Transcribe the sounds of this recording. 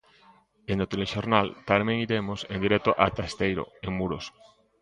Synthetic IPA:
enot̪eleʃoɾnalt̪amẽŋiɾemosẽnd̪iɾet̪oʔat̪ast̪ejɾo̰eŋmuɾos

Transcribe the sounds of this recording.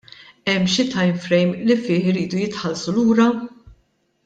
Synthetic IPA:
ɛmːʃɪt̪ɐjmfɾɛjmlifɪːħɪɾiːd̪ujɪt̪ħɐlsuluːɾɐ

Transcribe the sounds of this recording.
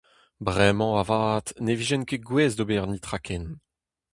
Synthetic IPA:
bʁɛmɑ̃avaːt̪neviʒɛnkeɡwɛːzd̪obɛʁnit̪χakʰɛn

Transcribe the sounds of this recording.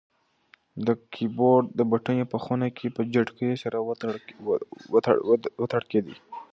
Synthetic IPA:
d̪əkʰiboɾd̪əbaʈəjepəxunakʰepəd͡ʒaɖkəjosaɾa | wət̪aɽked̪ḭ

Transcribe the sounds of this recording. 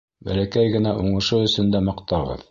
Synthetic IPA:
bæ̰lækæjɡɘ̆næʔuɴɤ̆ʃɤɵ̆sɵ̆nd̪æmɑ̆qt̪ɑʁɤ̰ð

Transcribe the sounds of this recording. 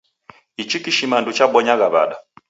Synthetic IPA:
it͡ʃikiʃimandut͡ʃaɓɔɲaɣaβa̰ɗa

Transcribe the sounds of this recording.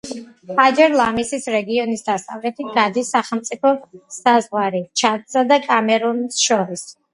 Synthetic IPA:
ad͡ʒɛɾlˠamisisɾɛɡiɔnisd̪ast̪ʼavɾɛt̪ʰiɡad̪isaχɛlˠmt̪sʼipʰɔsazʁwaɾit͡ʃʰat̪sad̪akʼamɛɾɔnsʃɔɾis

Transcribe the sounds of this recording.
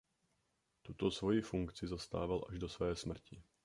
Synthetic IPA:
t̪ut̪o̞svo̞jifuŋkt͡sɪzast̪a̰ːvalʔa̰ʒdo̞svɛːsmr̩cɪ

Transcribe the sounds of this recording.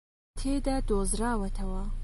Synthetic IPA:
t̪ʰeːd̪aːd̪oːzɾaːwɐt̪ʰɐwɐ

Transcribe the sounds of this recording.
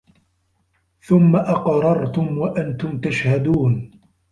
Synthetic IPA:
θʊmːaʔɑqɾˤɑɾˤt̪ʊmwaʔant̪ʊmt̪aʃhad̪uːn

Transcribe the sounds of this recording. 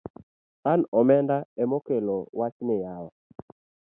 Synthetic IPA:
anɔmɛndaɛmokelowat͡ʃnɪjawɔ

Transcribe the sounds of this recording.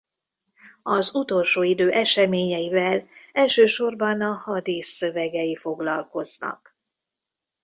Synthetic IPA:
ɒzut̪o̞lʃoːid̪øːʔɛʃɛmeːɲɛjivɛlɛlʃøːʃo̞rbɒnɒhɒd̪isːøvɛɡɛjifo̞ɡlɒlko̞znɒ̰k

